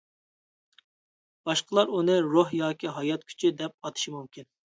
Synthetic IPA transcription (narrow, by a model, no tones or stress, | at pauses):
b̥ɑʃqəlˠɑɾunɨɾoɦjɑːkʲʰiɦɑjɑt̪kʲʰy̥t͡ʃʰid̪ɛp̚ɑt̪ʰɨ̥ʃimumkʲʰin